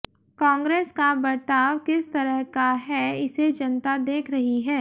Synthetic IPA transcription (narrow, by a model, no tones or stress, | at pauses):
kɔ̃ːŋɡɾeːskabɐɾt̪aːʋkɪst̪ɐɾəɦkaɦɛɪsed͡ʒɐnt̪ad̪eːkʰɾɐɦiɦɛː